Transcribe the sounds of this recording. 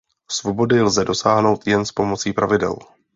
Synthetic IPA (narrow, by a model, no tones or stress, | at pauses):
svo̞bo̞dɪlzɛdo̞saːɦno̞wt̪jɛnspo̞mo̞t͡siːpɾʔavɪdɛ̰l